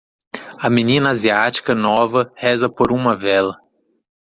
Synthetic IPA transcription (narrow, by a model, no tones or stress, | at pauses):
ɐminĩnɐaziat͡ʃi̥kɐnɔvɐhɛzɐpoɾũmɐvɛlɐ